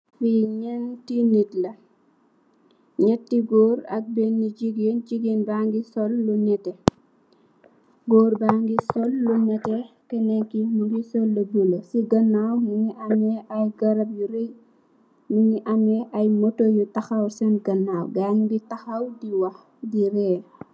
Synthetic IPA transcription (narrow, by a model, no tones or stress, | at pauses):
fiɲɛntinitlɐ | ɲɛtːiɡɔːɾɐ̰k̚bɛnːiɟiɡend͡ʒiɡinbaŋɡisɔlːunɛtɛ | ɡɔːrbaŋɡisɔlːunɛtɛkɛnɛŋkimuɡisɔlːɐbulɐsiɡɐnːawmiɲiʔɐmɛʔɐjɡɐɾɐb̚juɾɛj | muɲiʔɐmɛʔɐjmɔtojutɐxɐwsɛnɡɐnːaːwɡaɲɡitɐxɐwdiwɐx | diɾɛː